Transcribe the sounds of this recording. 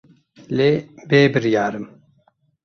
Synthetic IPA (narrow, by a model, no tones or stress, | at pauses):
leːbeːbɨɾjaːɾɨm